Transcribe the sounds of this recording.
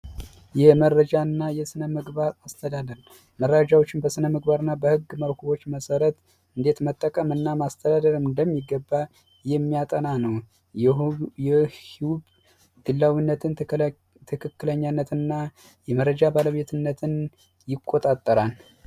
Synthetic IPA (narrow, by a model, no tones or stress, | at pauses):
jɛməɾəd͡ʒanːajɛsɨnəmɨɡβaɾast̪ʰəd̪ad̪əɾ | məɾːad͡ʒawo̞t͡ʃːɪnbəsɨnəmɨɡbaɾɨnːabəhɨɡːməwkʰuβot͡ʃːməsəɾət̪ | ɨnd̪e̞t̪mət̪ʼːəkʼəmɨnːamast̪ʰəd̪ad̪əɾɨmɨnd̪əmːiɡːəbːa | jɛmːijat̪ʼənanəw | ɛhiwub | d̪̥ɨlːawinːət̪ʰɨn | t̪ʰɨkʰɨkːɨləɲːanːət̪ɨnːa | jɛməɾəd͡ʒabaləβe̞t̪ʰɨnːət̪ʰɨn | jɪkʼːot̪ʼat̪ʼːəɾal